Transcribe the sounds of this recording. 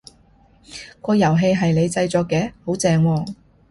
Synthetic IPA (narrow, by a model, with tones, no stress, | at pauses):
kɔː˧jɐ˨˩wɦe˧jɦɐ˨jle˨˧jt͡sɐ˧jt͡sɔː˨˧kːɛː˨˥ho˨˥wt͡sɛː˧ŋwɔː˧